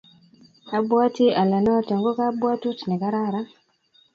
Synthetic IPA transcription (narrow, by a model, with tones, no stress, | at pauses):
ka˦bwa˦ti˦a˨la˨na˦ta˨ŋɡɔ˦ka˦bwa˦tu˦ti˨nɛ˨ka˦ɾa˦˨ɾa˦